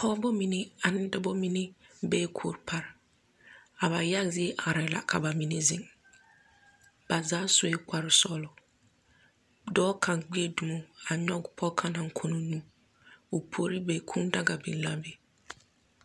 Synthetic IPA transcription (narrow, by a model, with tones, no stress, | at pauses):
pʰɔː˦bɔ˦mi˨ne˦a˨nɪ˦da˦bɔ˦mi˦ne˦beː˦kʰʊ̰˨ɾpʰa˨ɾɪ˨ | a˨βa˨ja˦zɪ˦e˦ʔa˨ɾa˨la̰˨kʰa˨ba˨mi˨ne˦zɪ̰˨ŋ | b̥a˨zaː˦so˨e˦kʷa˨ɾɪ˨sɔ˦lɔ˨ | dɔː˦kʰa˨ŋɡ͡bi˦e˦du˨mo˦a˨ɲɔ˦ɡʊ˨pʰɔ˦kʰa˦na˨ŋ˦kʰo˦no˦nũ˦ | o˨pʰo˨˦ɾi˦beː˨kʰũ˦da˦ɡa˨bḭ˨n˦la˦be˨